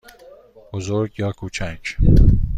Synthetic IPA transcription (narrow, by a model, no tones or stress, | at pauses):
bozoɾɡjɑːkʰuːt͡ʃʰæd͡ʒ